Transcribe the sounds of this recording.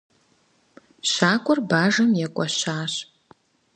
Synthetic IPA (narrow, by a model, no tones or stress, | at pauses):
ɕaːkʷʼɔrbaːʒɐmjɛkʷʼɐɕaːɕ